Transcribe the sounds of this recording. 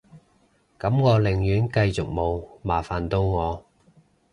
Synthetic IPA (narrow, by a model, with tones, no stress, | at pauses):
kɐ˨˥mŋɔː˨˧lɪ˨˩ŋjyː˨˥nkɐ˧jt͡sʊ˨k̚mo˨˧wmaː˨˩faː˨nt̪o˧wŋɔː˨˧